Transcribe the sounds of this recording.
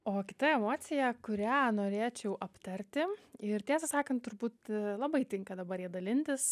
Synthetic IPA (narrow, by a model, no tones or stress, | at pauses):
oːkʲɪ̥t̪ɐɛmoːt̪sʲɪjɛkʊɾʲæːnoːɾʲeːt͡ʃʲɛʊʔɐpt̪ɐɾʲt̪ʲɪɪrt̪ʲæːsɐsɑːkɐnt̪̚t̪ʊɾbuːt̪lˠɐbɐɪt̪ʲɪŋkɐd̪ɐbɐɾiɛd̪ɐlʲɪnʲt̪ʲɪs